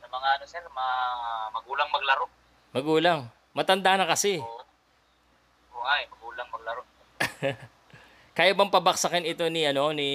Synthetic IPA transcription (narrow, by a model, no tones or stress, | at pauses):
sɐmɐŋaɐnosɛɾmɐmɐɡuːlɐŋmɐɡlɐɾo | mɐɡuːlɐŋ | mɐt̪ɐnd̪anɐkɐsɪ | ʔohajmɐɡuːlɐŋmɐɡ̚lɐɾo | kaːjabɐmpɐbɐksɐkɛnɪt̪o̞nɪʔɐno̞ni